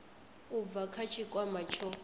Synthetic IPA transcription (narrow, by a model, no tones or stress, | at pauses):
ub̪vakʰat͡ʃʰikʼwamat͡ʃʰɔ